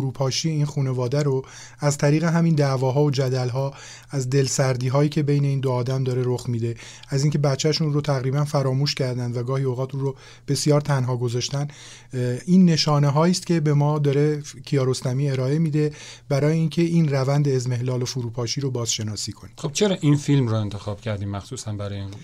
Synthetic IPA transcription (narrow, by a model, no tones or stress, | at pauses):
uɾuːpʰɒːʃiːiːnxuːne̞vɒːd̪æɾo | æzt̪ʰæɾiːɣe̞ɦæmind̪ævɒːɦɒːod͡ʒæd̪ælɦɒː | æzd̪e̞lsæɾd̪iːɦɒːiːcʰe̞be̞jne̞iːnd̪oɒːd̪æmd̪ɒːɾe̞ɾoxmiːd̪e̞ | æziːŋcʰe̞bæt̪t͡ʃʰæʃunrot̪ʰæɣɾiːbænfæɾɒːmuːʃcʰæɾd̪ænd̪væɡɒːhioɣʁɒːt̪ʰuːɾo | b̥e̞sijɒːɾt̪ʰænɦɒːɡo̞zɒʃt̪æn | iːnːe̞ʃɒːneɦɒːiːst̪cʲe̞be̞mɒːd̪ɒːɾe̞cʰijɒːɾo̞st̪æmiːe̞ɾɒːe̞miːd̪e̞bæɾɒːjeiːŋcʰe̞inrævænd̪e̞ːzme̞hlɒːlofuɾuːpʰɒːʃiːɾobɒːzʃe̞nɒːsiːkʰonixob̚t͡ʃʰeɾɒːʔinfilmɾoe̞nt̪ʰexɒːb̥̚cʰæɾd̪iːmːæχsuːsænbæɾɒːjen